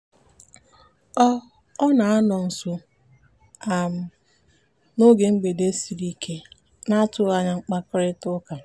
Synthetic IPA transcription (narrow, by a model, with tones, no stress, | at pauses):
ɔ˦ | ɔ˦na˨a˦nɔ˨n̩˨sʊ˦ | a˨m̩˦ | no˦ɡe˨ŋ͡m̩˦ɡ͡be˨de˦si˨ɾi˦kʰe˦ | na˦a˦tʊ˦a˨ɲa˦ŋ͡m̩˦k͡pa˦kɾɪ˦tʊ˦ka˨